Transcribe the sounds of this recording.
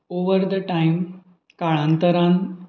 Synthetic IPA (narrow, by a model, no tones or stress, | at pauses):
oʋəɾd̪əʈaim | kaɭãnt̪əɾãn